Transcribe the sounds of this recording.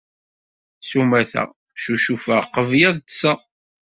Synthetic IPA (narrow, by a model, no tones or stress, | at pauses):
sumæθæ̰ | ʃuʃufəqəvjæðt͡sːa